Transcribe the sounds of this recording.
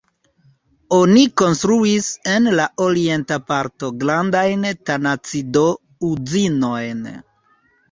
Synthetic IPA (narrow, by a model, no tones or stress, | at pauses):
o̞niko̞nst̪ɾuise̞nlaʔo̞ɾie̞ntapaɾto̞ɡlandajntanat͡sido̞ | uzino̞jn